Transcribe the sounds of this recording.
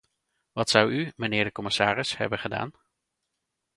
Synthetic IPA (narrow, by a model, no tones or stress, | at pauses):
ʋɑtsʌwymənɪːɹdəkɔmɪsaːrɪshɛ̰bənχəda̰ːn